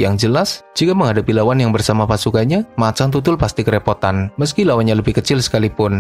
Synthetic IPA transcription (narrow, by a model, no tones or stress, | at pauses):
ja̰ŋd͡ʒəlasd͡ʒikaməŋɦadapilawanjaŋbərsamapasukaɲamat͡ʃaŋt̪̬ut̪ʊlpast̪ikəɾepot̪anməskilawanɲaləbɪhkət͡ʃɪlsə̥kalipʊn